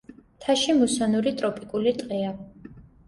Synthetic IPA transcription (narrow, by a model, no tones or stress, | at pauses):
t̪ʰaʃimusanuɾit̪ʼɾɔpʼikʼulit̪ʼqʼɛa